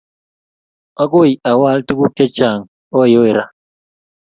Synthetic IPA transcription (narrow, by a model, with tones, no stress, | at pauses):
ɔ˦ko˦i˨a˨wa˦ltu˦ku˦ke˦t͡ʃa˨ŋ | o˦˨jo˦e˨ɾa˦